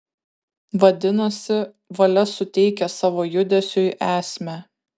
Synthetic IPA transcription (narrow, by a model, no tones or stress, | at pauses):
ʋɐd̪ʲɪnɐsʲɪ | ʋɐlʲɛsʊt̪ʲɛɪkʲɛsɑːʋoːjʊd̪ʲɛsʲʊʔæːsʲmʲæ